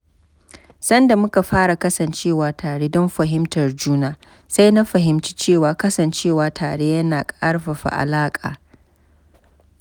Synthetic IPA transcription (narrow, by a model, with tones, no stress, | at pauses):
sɐ˦nda˨mʊ˦ka˨ɸaː˦ɽa˨kɐ˦sɐ˨nt͡ʃeː˦˨waː˨tʰaː˨ɽe˦dɔ˦mɸɐ˨ɦɪ˦mtɐ˨rd͡ʒuː˦naː˦ | sa˦jna˦ɸɐ˨ɦɪ˨mt͡ʃi̥˦t͡ʃeː˦˨waː˨kɐ˦sɐ˨nt͡ʃeː˦˨waː˨tʰaː˨ɽe˦jɐ˦naː˨kʼaa˦ɽɸɐ˨ɸa̰˨ʔa̰˨laː˦kʼa̰ː˨